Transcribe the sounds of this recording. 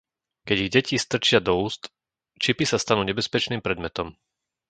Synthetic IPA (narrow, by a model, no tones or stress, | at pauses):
kɛɟiɣɟɛcist̪r̩t͡ʃɪad̪ɔuːst̪ | t͡ʃipisast̪anuːɲɛbɛspɛt͡ʃniːmpɾɛd̪mɛt̪ɔm